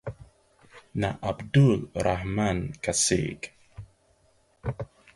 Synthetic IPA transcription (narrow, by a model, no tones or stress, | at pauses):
naʔabdulɾahmankasḭk